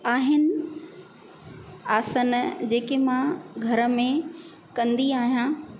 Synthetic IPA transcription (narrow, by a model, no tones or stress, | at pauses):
aːɦɪnɪ | aːsənd͡ʑeːkemãɡʱɐɾəmẽ | kɐ̃nd̪iaːɦijã